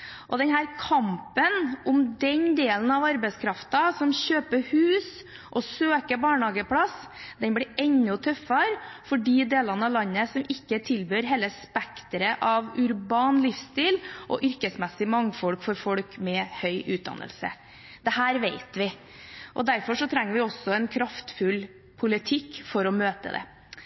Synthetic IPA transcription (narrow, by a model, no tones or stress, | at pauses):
ʔɔd̪ɛnɦæːɾkʰɑmpənʊmd̪ɛnd̪eːlən̩ɑʋɑɾbɛɪskʰɾɑft̪ɑsɔmɕøːpəhʉːs | ʔɔsøːkəbɑːɳhɑːɡəpʰlɑs | d̪ɛnblɪɾɛɲːʊt̪ʰœfːɑɾfɔɖiːd̪eːlɑnəɑʋlɑnːəsɔmɪkːət̪ʰɪlbøːɾɦeːlːəspɛkt̪əɾəʔɑʋʉɾbɑːnlɪfst̪iːlʔɔ̰ʔʏɾkəsmɛsɪmɑŋːfɔlkfɔɾfɔɽkmɛhœʏʔʉːt̪̚d̪ɑ̰nːə̰lsə̰ | d̪̥ɛhæːɾʋeɪt̪ʋɪ | ʔɔ̰d̪æɾfɔʂɔt̪ʰɾɛŋːəɾʋɪɔsːɔɛnkʰɾɑft̪fʉl | pʰʊlɪt̪ʰɪkːfɔɾɔmøːt̪ə̰d̪ɛ̰